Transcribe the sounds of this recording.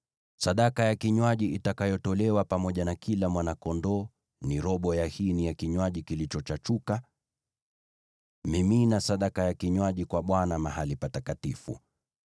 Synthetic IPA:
saɗakajakiɲwaʄiitakajɔtɔlɛwapamɔʄanakilamwanakɔndɔ | niɾɔɓɔjahinijakiɲwaʄikilit͡ʃɔt͡ʃat͡ʃuka | miminasaɗakajakiɲwaʄikwaɓwanamahalipatakatifṵ

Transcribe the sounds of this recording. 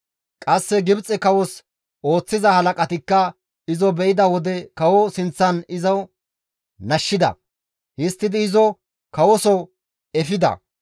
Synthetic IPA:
kʼɐsːɛɡɪbt͡sʼɛkɐwɔs | o̞ːt͡sːɪzɐhɐlɐkʼɐt̪ɪkːɐ | ɪzɔbɛʔɪd̪ɐwɔd̪ɛkɐwɔsɪnt͡sːɐnɪzɐw | nɐʃːɪd̪ɐ̰ | hɪst̪ːɪd̪ɪːzɔ | kɐwɔsɔ | ɛfɪd̪ɐ̰

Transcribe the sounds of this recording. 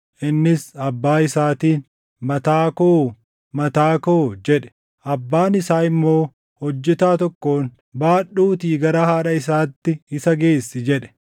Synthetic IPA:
ʔɪnːɪsɐbːaːɪsaːt̪iːn | mɐt̪aːkoː | mɐt̪aːkoːd͡ʒɛᶑɛ̥ | ʔɐbːaːnɪsaːɪmːo̞ː | hɔd͡ʒːɛt̪aːt̪ɔkːo̞ːn | baːᶑːuːt̪iːɡɐɾɐhaːᶑɐɪsaːt̪ːɪɪsɐɡe̞ːsːɪd͡ʒɛᶑɛ̥

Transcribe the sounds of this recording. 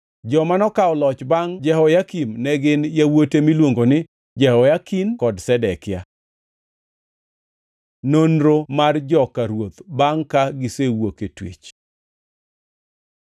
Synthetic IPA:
d͡ʒɔmanɔkaɔlɔt͡ʃbaŋd͡ʒɛhɔjakimnɛɡɪnjawotemilwoŋɡonɪ | d͡ʒɛhɔjakinkɔdsɛdɛkja | nonɾomard͡ʒɔkaɾwot̪baŋkaɡɪsewoketwḛt͡ʃ

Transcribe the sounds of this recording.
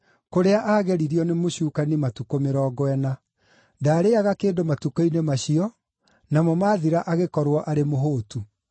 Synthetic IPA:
koɾeaʔaːɣɛɾiɾiɔnemoɕuːkanimatukomeɾɔːɡwɛna | daːɾeaɣakeːndomatukoinemaɕiɔ | namɔmaːðiɾaʔaɣekɔɾwɔʔaɾemoɦoːtu

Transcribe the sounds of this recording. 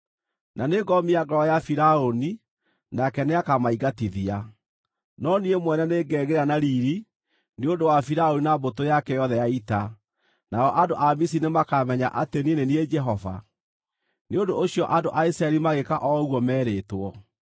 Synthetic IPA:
naneɡɔmiaɡɔɔjafiɾaoni | nakɛneakamaiɡatiðia | nɔniemwɛnɛneːɡɛːɣeɾanaɾiɾi | neondowafiɾaoninabotojakɛjɔðɛjaita | naɔʔandoʔamisinemakamɛɲaʔateninenied͡ʒɛɦɔva̰ | neondoʔoɕjɔʔandoʔaisɾaɛɾimaɣekaʔɔɣwɔmɛːɾeːtwɔ

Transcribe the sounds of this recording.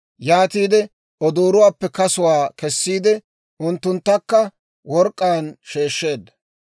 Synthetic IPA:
jaːt̪iːd̪ɛ | ɔd̪oːɾʊwaːpːɛkɐsʊwaːkɛsːiːd̪ɛ | ʊnt̪ːʊnt̪ːɐkːɐ | wɔɾkʼːaːnʃeːʃːe̞ːd̪ːɐ̥

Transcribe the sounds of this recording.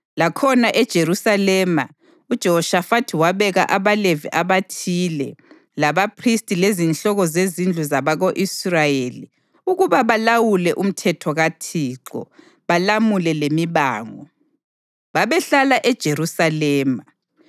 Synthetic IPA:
lakʰɔnaʔɛd̥ʒ̥ʱeɾusalɛma̰ | ud̥ʒ̥ʱɛɦɔʃafatʰiwaβɛɣa̰ʔaβaleviʔaβatʰilɛ | laβapʰristʼilezinɬɔɣɔzezind͡ɮʱuzaβaɣoʔisrajeli | uɣuβaβalawulɛʔum̩tʰɛtʰɔɣatʰiːǁɔ̰ | βalamulɛlemiβaːŋɔ̰ | βaβɛɬalaʔɛd̥ʒ̥ʱeɾusalɛːma

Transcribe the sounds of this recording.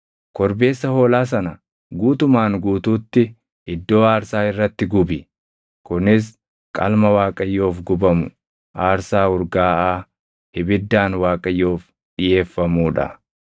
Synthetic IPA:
kɔɾbe̞ːsːɐho̞ːlaːs̬ɐnɐ | ɡuːt̪ʊmaːŋɡuːt̪uːt̪ːɪ | ɪd̪ːo̞ːaːɾsaːɪrːɐt̪ːɪɡʊbɪ | kʊnɪs̬ | kʼɐ̰lmɐwaːkʼɐjːo̞ːfɡʊbɐmʊ | ʔaːɾsaːʊɾɡaːʔaː | hɪbɪd̪ːaːnwaːkʼɐjːo̞ːf | ᶑɪje̞ːfːɐmuːᶑɐ̰

